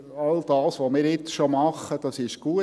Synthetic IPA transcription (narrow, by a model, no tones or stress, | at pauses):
ɑld̥̪ɑːsʋomɪːɾɪt͡sʃomɑχəd̥ɑsɪʃɡ̥uə